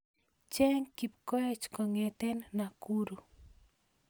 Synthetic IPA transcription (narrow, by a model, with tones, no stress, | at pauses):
t͡ʃɛ˦ŋki˨p̚kɔ˦ɛ˦t͡ʃkɔ˨ŋe˨t̪e˦nna˨kuɾu˨